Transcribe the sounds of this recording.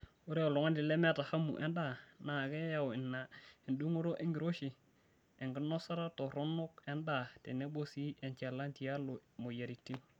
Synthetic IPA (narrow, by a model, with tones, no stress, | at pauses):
o˦ɾɛ˦o˨lɔ˨ŋa˦ndɪ˨lɛ˦mɛ˦ta˨ha˦mṵ˨ʔɛ˦nda˦˨na˨ɡɛ˦ja˨wɪ˨nːa˨ɛ˨ndu˦ŋo˦ɾo˦ʔɛ˦ŋɡi˨ɾo˦ʃi˨ | ɛ˨ŋɡɪ˦nɔ˦sa˦ɾa˦tɔ˨ɾɔ˦no˦kɛ˦nda˨tɛ̰˨nɛ˦bo˦si˦ʔɛ˨nt͡ʃɛ˨la˦nti˨a˦lo˨mo˨ja˨ɾi˨tːi˦